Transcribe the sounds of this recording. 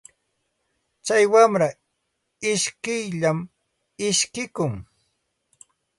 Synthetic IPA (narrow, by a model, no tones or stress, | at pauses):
t͡ʃajwamɾa | ɪʃkɪjʎam | ɪʃkɪkʊŋ